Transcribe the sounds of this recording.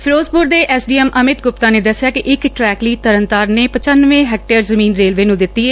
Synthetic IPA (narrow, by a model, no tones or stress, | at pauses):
pʰɪɾoːspʊɾd̪eːʔɛːsɖiːɛmʔəmɪt̪ɡʊp̚t̪ãːneːd̪əsːɪjaːkɪʔɪkʈɾɛːkliːt̪əɾənt̪aːɾneːpət͡ʃənʋẽːɦɛːk̚ʈeːəɾzəmĩːnɾeːlʋeːnũːd̪ɪt̪ːiːɛː